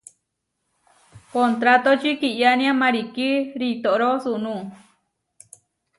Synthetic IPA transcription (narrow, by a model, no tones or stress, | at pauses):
kont̪ɾat̪ot͡ʃikiʔjanĩãmãɾikiɾit̪oʔɾosuʔnũ